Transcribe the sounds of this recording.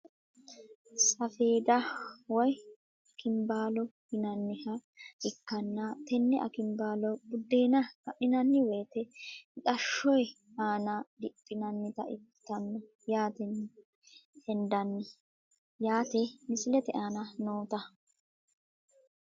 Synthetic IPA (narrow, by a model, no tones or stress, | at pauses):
sɐfeːd̪ɐwɔj | ɐkɪmbaːlɔɡɪnɐnːɪhɐʔɪkːɐnːɐt̪ɛnːɛʔɐ̰kɪmbaːlɔbʊd̪ːeːnɐkɐʔɪnɐnːɪweːt̪ɛɪkʼɐʃːɔj | aːnɐd̪ɪpʼːɪnɐnːɪt̪ɐ̰ʔɪt̪ːɐnːɔ | jaːt̪ɛnːɪ | hɛnd̪ɐnːɛ | jaːt̪ɛmɪsɪlɛt̪ɛʔaːnɐnoːt̪ɐ